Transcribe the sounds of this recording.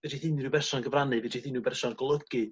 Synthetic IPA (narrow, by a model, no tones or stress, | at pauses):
vɛtʰiθɨnubɛrsɔnɡəvranɨvɛtʰiθɨnubɛrsɔnɡɔlˠəɡ̥ɨ